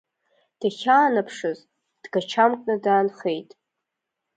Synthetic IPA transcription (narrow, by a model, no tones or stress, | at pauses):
d̥aχʲaːnapʰʂɨz | d̥ɡat͡ʃʰamkʼnɨdaːnχe̞jtʼ